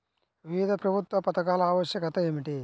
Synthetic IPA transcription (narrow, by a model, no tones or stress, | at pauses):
ʋiʋid̪ʱɐpɾɐbʱut̪ʋɐpɐt̪ɐkaːlɐaːʋɐʃjɐkɐt̪ɐeːmiʈi